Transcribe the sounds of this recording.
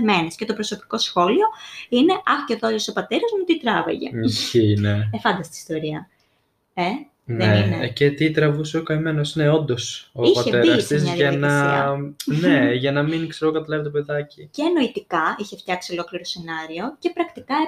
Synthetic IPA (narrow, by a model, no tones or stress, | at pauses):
me̞nesce̞t̪o̞pɾo̞so̞pi̥ko̞sxo̞lio̞ine̞ʔɐxcet̪oðosopɐt̪e̞ɾɐzmut̪it̪ɾɐvḛʝe̞̰misçineefɐnd̪ɐst̪i̥ːst̪o̞ɾiɐ | e | nðeeinecet̪it̪ɾɐvusokɐime̞no̞sneo̞nd̪o̞soipɐtçeeiɾɐst̪iszɐðʝjɐnɐsɐneʝɐnɐminkseɾookɐt̪ɐlevet̪ope̞ðɐciceːno̞it̪ikɐiçe̞ft̪çɐksio̞lo̞kliɾose̞nɐɾio̞ce̞pɾɐkt̪ikɐ